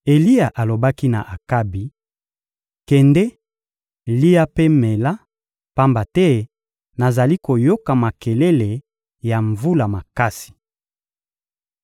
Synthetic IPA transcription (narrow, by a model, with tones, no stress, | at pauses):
e˨li˦ja˨ʔa˨lo˨ba˦ki˦na̰˨ʔa˨ka˦bi˨ | kɛ˨ndɛ˦ | li˦a˦pe˦me˨la˦ | pa˦mba˨tɛ˦ | na˨za˨li˦ko˨jo˦ka˨ma˨ke˨le˦le˨ | ja˨ɱvu˦la˨ma˨ka˦si̥˨